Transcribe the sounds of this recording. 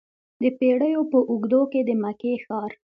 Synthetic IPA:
d̪əpeɽəjopəʔuɡd̪oked̪əmakexɑɾ

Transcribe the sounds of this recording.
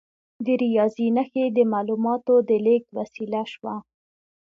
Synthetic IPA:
d̪əɾijɑzinaxed̪əmɑlumɑt̪od̪əlekwasilaʃwa

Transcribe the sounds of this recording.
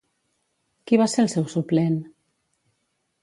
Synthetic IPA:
kiβaseɾlˠsɛwsuplen

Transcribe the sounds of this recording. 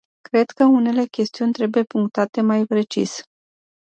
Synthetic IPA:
kɾe̞d̪̥kəune̞le̞kʲe̞st̪iunʲt̪ɾe̞buje̞puŋk̚t̪at̪e̞majpɾe̞t͡ʃḭs

